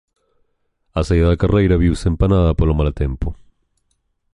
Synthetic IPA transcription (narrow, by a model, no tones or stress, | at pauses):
asajaðakarejɾaβjiwsempanaðapoɾlomalat̪e̞mpo